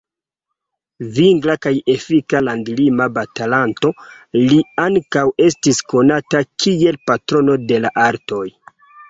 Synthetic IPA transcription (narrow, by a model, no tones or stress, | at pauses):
viŋɡlakaje̞fikalandlimabatalanto̞liaŋkawe̞stisko̞natakʰie̞lpatɾo̞no̞de̞laʔaɾto̞j